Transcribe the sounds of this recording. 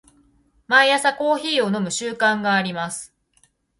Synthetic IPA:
maijasako̞ːçiːo̞no̞mɯ̟ɕɨːkãŋɡaːɾʲimasɨ̥

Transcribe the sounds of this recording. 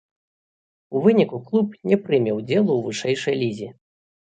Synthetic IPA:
uvɨnʲikuklˠupnʲɛpɾɨmʲɛwd͡zʲɛlˠuwvɨʂɛjʂɐjlʲizʲi

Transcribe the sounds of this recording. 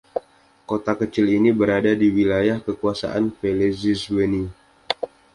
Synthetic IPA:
kot̪akət͡ʃɪlinibəɾadadiwilajahkəkuasa̰ʔanfelɛziswəni

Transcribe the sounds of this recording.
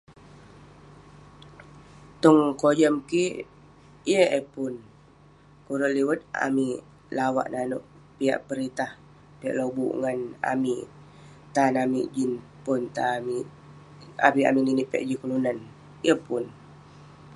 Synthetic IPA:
t̪ɔŋkod͡ʒəmki | jəepʊn | kuɾəʔliwət̪̚a̰mi | lawa̰ʔnanuʔ | pia̰ʔpəɾit̪ah | pɛʔlobṵʔŋana̰mi | t̪anamiʔd͡ʒin | pʊnt̪ami | a̰pia̰mininiʔpɛ̰ʔd͡ʒikulunan | jəpʊn

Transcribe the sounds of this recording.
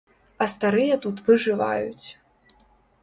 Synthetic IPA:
ɐst̪aɾɨjɐt̪ut̪vɨʐɨva̰jṵt͡sʲ

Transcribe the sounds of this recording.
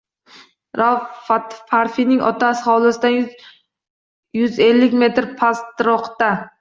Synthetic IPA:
ɾafat̪faɾfinɪŋʔɒ̰t̪ʰasɪχɒwlˠɪsɪd̪a | jʊze̞lːɪkʲme̞t̪ɾpʰast̪ɾɒqt̪a

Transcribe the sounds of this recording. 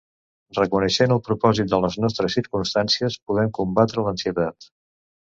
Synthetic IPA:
rəkunəʃenəlˠpɾupɔzit̪̚d̪ələznɔst̪ɾəsiɾkunst̪ansiəspuð̞ɛmkumbat̪ɾələnsiət̪at̪

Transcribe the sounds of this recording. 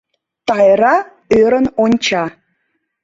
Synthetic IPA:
t̪ɑjɾɑ | øɾə̆nonʲt͡ɕɑ

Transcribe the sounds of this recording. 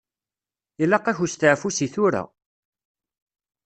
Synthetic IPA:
ilæqːæçust̪aʕfusiθʊɾa̰

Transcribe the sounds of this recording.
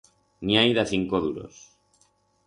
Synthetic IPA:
niajðaθiŋkoðuɾo̰s

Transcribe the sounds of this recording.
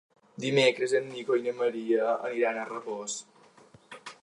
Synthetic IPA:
d̪imekɾəzənːikojnəməɾiəəːniɾanərəβos

